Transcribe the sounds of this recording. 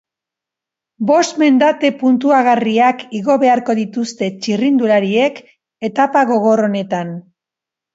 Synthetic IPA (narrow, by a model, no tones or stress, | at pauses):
bo̞st̪me̞nd̪at̪e̞punt̪uaɣariakiɣo̞βe̞aɾko̞ðit̪ust̪e̞t͡ʃirind̪uɾaɾie̞k | e̞t̪apaɣ̞o̞ɣ̞o̞ro̞ne̞t̪an